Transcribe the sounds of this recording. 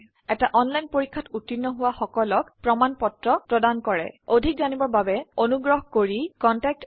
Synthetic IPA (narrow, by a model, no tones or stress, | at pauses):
ɛtaʔɔnlajnpoɹikʰːatutːinːɔɦʊwaxɔkɔlɔkpɹɔmanpɔtɹɔpɹɔdankɔɹɛ̰odʱik̚zanibɔɹbabɛonuɡɹɔɦkoɹikɔntak̚t